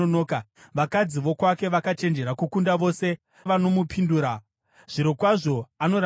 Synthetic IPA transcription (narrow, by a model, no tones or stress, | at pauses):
onoːka | ʋakad͡ziʋo̞kwake̞ʋakat͡ʃe̞nd͡ʒe̞ɾakukundaʋo̞ːse̞ | ʋano̞mupʰinduːɾa | ʐ̥iɾokwaʐo̞ano̞ɾ